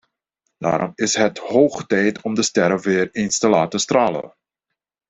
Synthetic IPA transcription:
d̥a̰ːɾɔ̰mɪsɦəthoːχtɛjtʰɔmdəstɛɾəʋɪːrenstəlaːtəstraːlə̰

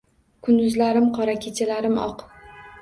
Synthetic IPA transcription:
kʰʊnd̪ʊzlaɾɪmqʰɒɾakʲʰet͡ʃʰalaɾɪmɒ̰q

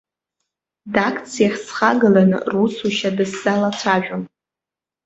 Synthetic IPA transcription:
dakʰʼt͡sʰijaχʲsχaɡalanɨ̰rusʰuʃadɨsz̥alat͡sʷʰaʒᶣom

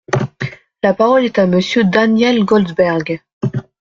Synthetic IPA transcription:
lapaʁɔlɛt̪aməsjød̪anjɛlɡɔlzbɛʁɡ

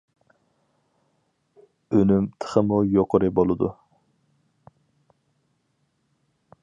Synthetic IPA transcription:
ønymt̪ʰə̥χəmujoqʊɾɨbolˠɨd̪u

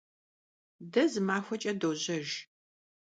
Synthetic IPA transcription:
dɐzɨmaːxʷɐt͡ʃʼɐdoːʑɐʒ

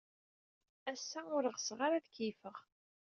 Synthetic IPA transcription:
æsːæʊɾəʁsʁaɾaðkifəʁ

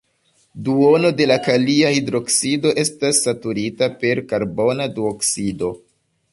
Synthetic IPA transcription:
duo̞no̞de̞lakaliahidɾo̞ksido̞ʔe̞stasːatuɾitape̞ɾkaɾbo̞nadioksido̞

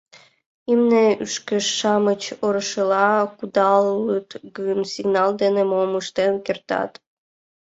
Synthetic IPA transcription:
imneyʃkeʃːɑmət͡ɕoɾə̆ʃəlɑkud̪ɑlːɯt̪ɡɯnsiɡnɑld̪enemoməʃt̪enkert̪ɑ̰t̪

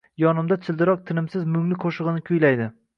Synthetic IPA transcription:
jɒnɪmd̪at͡ʃʰɪlˠd̪ɪɾɒq̚t̪ʰɪnɪmsɪzmʊŋlɪkʰoʃɨʁɨnɪkʲʰʊjlajd̪ɪ

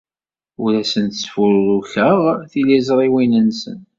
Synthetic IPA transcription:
ʊɾæsənt̪sfuɾɾuçəʁθilizɾˤiwinənsə̰n

